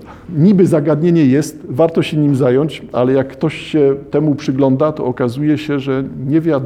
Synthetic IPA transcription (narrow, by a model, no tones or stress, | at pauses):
ɲibɘzaɡad̪ɲeɲɛjɛst̪vaɾt̪ɔɕɛɲimzajɔɲt͡ɕa̰lɛjakːt̪ɔɕɕɛt̪ɛmupʂɘɡlɔnd̪at̪ɔ̰ɔkazujɛɕɛʐɛɲɛvʲjad̪